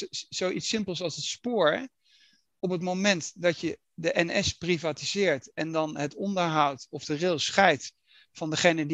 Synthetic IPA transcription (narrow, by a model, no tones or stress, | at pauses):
zowʔitsɪmpəlˠsɑlˠsɦətspʊːɹɛ | ɔpɦətmowmɛntdɑcjə | dəʔɛnɛsprivaːtizɪːɹtɛndɑnɦətɔndəɹɦʌwtɔfdərɪlˠsχɛjt | fɑndəχejnədi